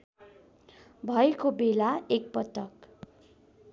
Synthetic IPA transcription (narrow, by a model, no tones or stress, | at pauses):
bʱʌekobelaek̚pʌt̪ʌk